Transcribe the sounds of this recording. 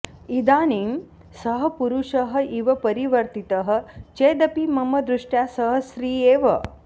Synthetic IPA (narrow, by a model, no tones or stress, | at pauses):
id̪aːniːm | sɐɦɐ̆puɾuʂɐɦɐ̆iʋɐpɐɾiʋɐɾt̪it̪ɐɦɐ̆t͡ʃeːd̪ɐpimɐmɐd̪ɾuʂʈjaːsɐɦɐsɾiːeːʋɐ̰